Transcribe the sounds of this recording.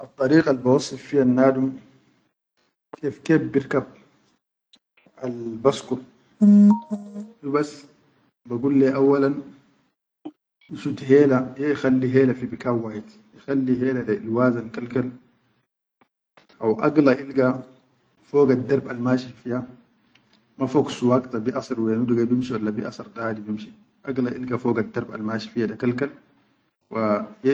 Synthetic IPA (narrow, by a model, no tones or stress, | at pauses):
ʔɑt̪ˤːɑɾiːqɑlbawɑsˤːɨffijanːaːdum | keːfkeːfbiɾkab̚ | ʔalbaskuɾ | dubas | baɡulːɛʔawːalan | iʃut̪ɦeːlajexalːiɦeːlafibikawːaːjit̪ | ixalːiɦeːladaḭlwaːzankalkal | ʔawʔaɡlaʔilɡa | foːɡad̪ːɑɾˤbalmaːʃifija | mafoksuwaɡt̪abiʔɑsˤɨɾweːnuduɡabimʃiwalːabiʔɑ̰sɑɾˤdaad̪ibimʃi | ʔaɡlaʔilɡafoːɡad̪ːɑɾˤba̰lmaːʃi̥fijadakalkal | waj